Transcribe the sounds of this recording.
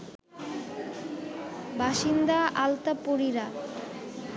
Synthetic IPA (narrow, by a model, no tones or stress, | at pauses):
baʃind̪aʔalt̪apoɾiɾa